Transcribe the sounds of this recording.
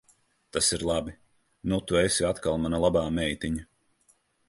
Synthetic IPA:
t̪asiɾlˠabi | nut̪uɛsiat̪kalˠmanalˠabaːmɛjt̪ʲiɲa

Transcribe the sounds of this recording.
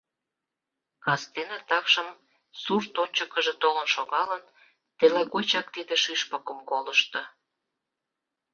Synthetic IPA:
kɑst̪enet̪ɑkʃəm | surt̪onʲt͡ɕəkəʒĕt̪olə̆nʃoɣɑlən | t̪eleɣot͡ɕɑk̚t̪id̪eʃyʃpəkəmkoləʃt̪ə̆

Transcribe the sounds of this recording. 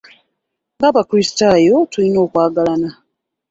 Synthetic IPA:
ŋɡaβakɾistajo̞tulino̞ːkwaːɡalana

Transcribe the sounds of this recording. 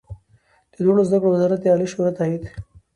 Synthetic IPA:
d̪̥əd̪wonozd̪akɽowazaɾat̪eaːliʃoɾat̪aːit̪

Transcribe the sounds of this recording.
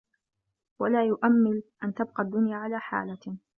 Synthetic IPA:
walaːjʊʔamːɪlʔant̪ab̚qɑd̪ːʊnjaːʕalaːħa̰ːla

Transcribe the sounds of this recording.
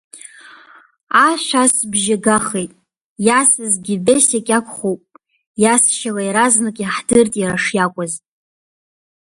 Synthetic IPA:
aʃʷᶣasbʒaɡaχejtʼ | jasɨzɡʲibesakʲʼakʷʰʼχowpʼ | jasʃalajɾaznɨkʼaħdɨrtʼjaɾaʂjakʷʼaz

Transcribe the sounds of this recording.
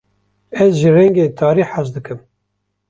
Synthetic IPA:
ɛzʒirɛŋɡeːt̪ʰɑːɾiːħaʃd̪ɨkʰɨm

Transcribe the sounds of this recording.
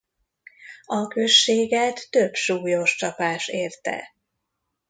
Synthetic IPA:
ɒkø̞ʃːeːɡɛt̪ːøbʃuːjo̞ʃt͡ʃɒpaːʃeːrt̪ɛ̰

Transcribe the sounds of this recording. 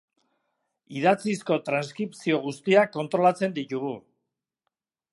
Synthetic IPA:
iðat͡sisko̞t̪ɾanskɾipsio̞ɣ̞ust̪iakːo̞nt̪ɾo̞lat͡se̞nd̪it̪uɣu

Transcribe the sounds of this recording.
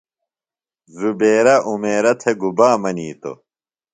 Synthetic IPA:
zubeːɾɐʔumeːɾɐt̪ʰeɡubaːmɐniːt̪o̰

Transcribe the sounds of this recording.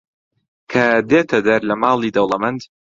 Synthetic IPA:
kʰɐd̪eːt̪ʰɐd̪ɐɾlɐmaːlˠiːd̪ɐwlˠɐmɐnd̪

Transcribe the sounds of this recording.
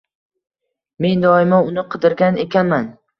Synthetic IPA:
me̞nd̪ɒɪmaʊnɪqʰɨd̪ɪɾɡʲane̞kʲʰanman

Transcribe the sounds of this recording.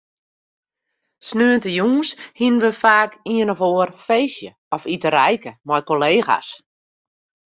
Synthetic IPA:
snøəntəjuːnshinənʋəfaːkiənɔfoərfeːsjə̰ | ɔfitəɾɛjkəmɔjkoleːxa̰s

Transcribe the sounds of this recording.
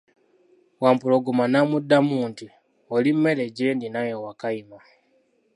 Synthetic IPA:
waːmpuloɡumanamudːamuːnti | olimːe̞leɟendinajowakaima

